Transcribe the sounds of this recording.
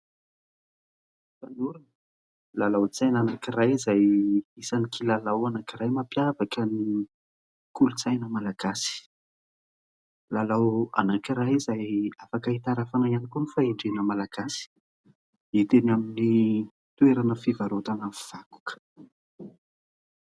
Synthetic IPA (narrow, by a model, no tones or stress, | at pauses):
fanuɾinə | lalawt͡sajnanakirajizajisanikʰilalawanakiɾajmapjavakəni | kulut͡sajnəmalaɡ̥asi̥ | lalawa̰nakiɾajizajafakəit̪aɾafanajanikunifaiɳɖ͡ʐenəmalaɡ̥asi̥ | it̪enamini | t̪uweɾanəfivaɾot̪anav̥aku̥k